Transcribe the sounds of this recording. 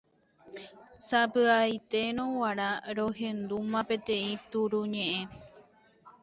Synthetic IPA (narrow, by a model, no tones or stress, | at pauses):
sapɨajt̪e̞ɾ̃õwaɾaɾoɦẽ̞nd̪umãpe̞t̪ẽ̞ĩt̪uɾuɲẽ̞ʔẽ̞